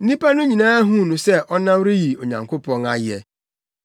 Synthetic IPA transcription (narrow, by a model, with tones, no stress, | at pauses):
n̩˦nĩ˦pa˦nʊ̃˦ɲĩ˨nãː˦ɦũ˦˨nʊ̃˨sɛ˦˨ʔɔ˦nã˦wɾi˦ji˨o˨ɲã̰˨ŋkʰʊ˦pɔ̃˦na˦jɛ˨